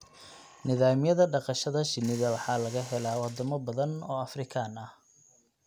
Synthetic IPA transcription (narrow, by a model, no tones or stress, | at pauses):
nɪðaːmɪjɐðɐɖɑqɑʃɐðɐʃɪnːɪðɐwɑħɑlɐɣɐɦɛlaːwɑd̪ɐmɐbɐðɐnɔːɐfrɪkʰaːnɐh